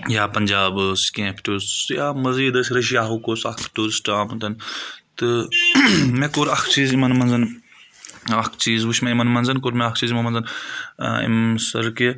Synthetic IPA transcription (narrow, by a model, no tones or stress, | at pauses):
jaːpɐnʲd͡ʒaːbɨskẽːpʰʈusjaːmɐziːd̪ɐsɾɐʃ̬ijaːɦukoːsɐkʰʈuzsʈaːmut̪ɐnt̪ɨ | mekoɾɐkʰt͡ʃiːzimɐnmɐnzɐn | akʰt͡ʃiːzʋuʃmeimɐnmɐnzɐnkoːɾmeɐkʰt͡ʃiːzimɐnmɐnzɐn | ḭmsɐɾke